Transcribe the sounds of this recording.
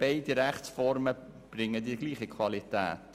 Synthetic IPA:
b̥eɪdiɾɛχt͡sfɔɾmə | b̥rɪŋːədiːɡliːχikʰvɑlitæ̰ːt

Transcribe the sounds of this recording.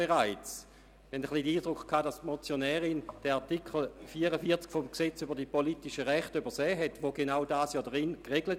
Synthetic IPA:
beʁaɪt͡s | hɛndəχlidəiːdʁʊkχkʰːaːdastmɔt͡sjonɛːʁɪnd̥ɛʁatikχl̩fiːəʁəfiɐt͡skfɔmkset͡sybəɐdipolitiʃəʁɛχtybəɐsɛːɦɛtʋoɡenaʊdaːsjɑːdʁɪnkʁeɡlət

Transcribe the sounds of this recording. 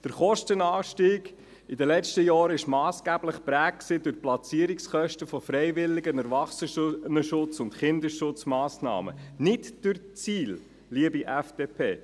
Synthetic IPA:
d̥əɾχɔʃtənɑːʃtiːɡ | id̪əlɛt͡ʃtəjɑːɾɪʃmɑːsɡ̥æbləχpɾæːk̚ksɪd̥ʊχplɑt͡siːəɾiksχœʃtəfɔfɾɛɪʋɪlːɪɡənæɾvɑχsənəʃʊt͡sʊntχɪnd̪əʃʊt͡smɑːsnɑ̰ːmə̰nɪtd̥ʉɾt͡siːl | liəbiʔæfd̥epʰeː

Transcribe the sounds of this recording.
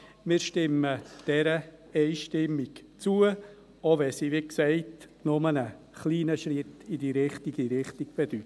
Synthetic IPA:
mɪːɾʃtɪmːəd̥ɛɾə | ɛɪʃtɪmːikt͡suə | ovɛsiʋiksɛɪt | nʊmənə | χliːnəʃrɪtidiɾɪχtiɡiɾɪχtiɡ̥̚b̥ed̥yt

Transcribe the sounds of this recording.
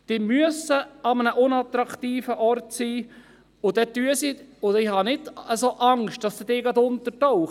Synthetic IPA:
d̥ɪmyəsəɑmənəʔʊnɑt̪ɾɑkt̪iːfəʔɔɾtsiː | ʊd̥̪ɛt̪yəsiʊɪhɑnɪdəsoʔɑŋʃtd̥ɑsd̥ɪdɪːɡɑd̪ʊnt̪əɾtɔʊχ

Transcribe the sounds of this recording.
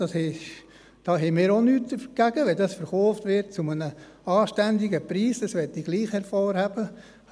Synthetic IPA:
d̥ɑshɛ | d̥ɑːɦɛmɪːɾonyːt̚d̪əfɡ̥æɡ̥əʋɛldɑsfəɾχɔːftʋɪɾt̚t͡sumənə | ɑːʃtændɪɡəpɾiːsd̥ɑsʋɛtːiɡ̥liːχhɛɾfoːrhæb̥ə

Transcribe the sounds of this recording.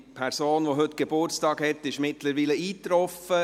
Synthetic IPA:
pʰɛɾsoːnʋoɦʏtːɡ̥ebʊrt͡stɑːɡhɛt̪ːɪʃmɪtləɾʋiːləiːt̪ɾɔfə

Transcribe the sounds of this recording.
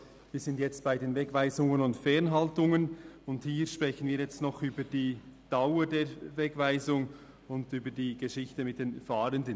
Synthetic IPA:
viːz̥ɪntjɛt͡st̚b̥aɪdeːnvɛkvaɪzʊŋənʊntfɛʁnɦaltʊŋənʊndhiːɾʃpʁ̥ɛçən̩viːjɛt͡stnɔχyːbədiːd̥aʊədeːvɛkvaɪzʊŋ | ʊndyːbədiːɡ̥əʃɪçtəmɪt̚d̥eːnfaːɾəndən

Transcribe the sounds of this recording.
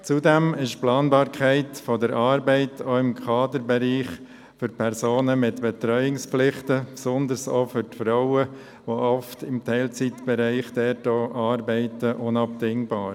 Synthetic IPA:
t͡sudɛmɪʃplɑːnbɑːɾkʰæɪtfɔdəɾɑːɾbɛɪtʰoːɪmkʰɑːdəɾbɛɾiːχ | fʏɾpʰɛɾsoːnəmɪtb̥ɛt̪ɾœʏɪŋspflɪχtəpsɔnd̪əɾso̰fʏɾtfɾɔʊə | ʋoʔɔftɪmtʰɛɪlt͡sit̪b̥ɛɾɛɪχd̥ɛtoːʔɑːɾbɛɪtəʔʊnɑptɪŋbɑːɾ

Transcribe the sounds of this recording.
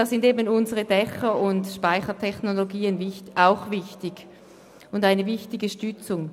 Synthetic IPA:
aːsɪndeːbənʊnzəʁədɛxəʊndʃpaɪçɐtʰɛçnoloɡiːənvɪaʊxvɪçtɪɡ̥ | ʊndaɪnəvɪçtɪɡəʃtʏt͡sʊŋ

